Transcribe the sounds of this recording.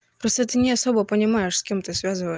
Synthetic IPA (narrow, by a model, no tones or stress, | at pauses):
pɾost̪ət̪ɨnʲɪɐso̞bəpənʲɪmajɪʂsʲkʲemt̪ɨsvʲazɨvəj